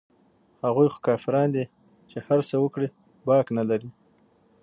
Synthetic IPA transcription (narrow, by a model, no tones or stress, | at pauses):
haɣujxo̥kɑfɪɾɑnd̪i | t͡ʃehaɾsəwəkɽi | bɑknalaɾi